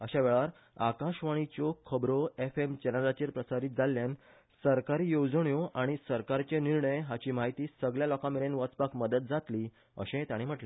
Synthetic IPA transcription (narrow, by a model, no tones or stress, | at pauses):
əɕaʋeɭaɾ | akaɕʋaɽ̃it͡ɕokʰəbɾoefemt͡ɕɛnəɾat͡ɕiɾpɾəsaɾiːt̪̚d͡zalːjan | səɾkaɾiːjod͡zɳjoʔaɽ̃isəɾkaɾt͡ɕeniɾɳəjɦat͡ɕiːmaɦit̪iːsəɡljalɔkãmeɾenʋət͡spakməd̪ət̪̚d͡zat̪liː | ə̰ɕẽet̪aɽ̃im̤əʈle